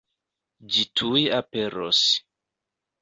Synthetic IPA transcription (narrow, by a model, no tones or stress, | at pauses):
d͡ʒitʰujiape̞ɾo̰s